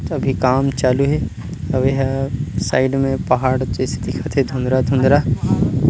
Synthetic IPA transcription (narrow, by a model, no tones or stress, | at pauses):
ɐbʱikaːmt͡ʃaːluɦe | ɐʋeɦsaːɪɖmẽpɐɦaːɽt͡ʃeːsed̪ɪkʰɐt̪ʰɦed̪ʱʊ̃nd̪ɾad̪ʱʊ̃nd̪ɾaː